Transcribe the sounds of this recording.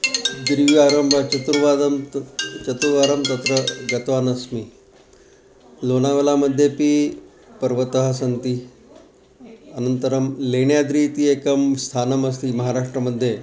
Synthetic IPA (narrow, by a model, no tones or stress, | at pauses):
d̪ɾiʋiaɾəmbʱat͡ʃɐt̪ɾuʋad̪mt͡ʃɐt̪ɾuʋaɾəmt̪ɐt̪ɾəɡɐt̪ʋanəsmi | lonaʋelaməd̪ʱːjepiː | pəɾʋət̪əɦəs̬ənt̪i | ənənt̪əɾəmleɳjad̪ɾit̪iːekəmst̪ʰanəmɐs̬t̪iːmɐɦaɾaʂʈɾəməd̪ʱje